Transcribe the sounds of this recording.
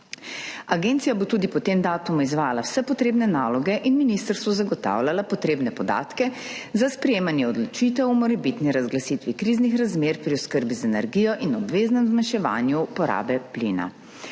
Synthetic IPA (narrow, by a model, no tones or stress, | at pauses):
aɡent̪sijabot̪uːd̪ipɔt̪eːmd̪aːt̪umɔizʋaːjalawsɛpɔt̪ɾeːbnɛnaːlɔɡɛʔinminist̪əɾst̪ʋɔzaɡɔt̪a̰ːwlʲalapɔt̪ɾeːbnɛpɔd̪a̰ːt̪kɛzaspɾɛjeːmanjɛɔd̪lɔt͡ʃit̪ɛwumɔɾɛbit̪niɾazɡlasit̪ʋikɾiːznixɾazmeːɾpɾiɔskəɾbizaɛnɛɾɡijɔʔinɔbʋeːznɛmzmanʃɛʋa̰ːnjupɔɾa̰ːbɛplḭːna̰